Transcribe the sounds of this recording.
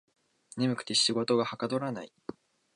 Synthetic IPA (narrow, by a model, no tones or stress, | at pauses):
ne̞mɯ̟kɯ̟̥t̪e̞ɕiɡo̞t̪o̞ɡahakad̪o̞ɾanai